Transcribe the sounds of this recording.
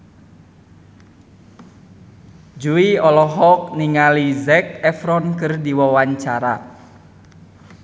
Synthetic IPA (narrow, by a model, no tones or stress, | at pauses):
d͡ʒuiɔlɔɦɔk̚niŋalizɛk̚ɛfɾɔnkɨrdiwɔwaɲt͡ʃaɾa̰